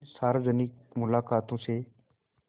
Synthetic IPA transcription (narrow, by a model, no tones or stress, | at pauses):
saːɾzənɪk̚mʊlaːkaːt̪õːseː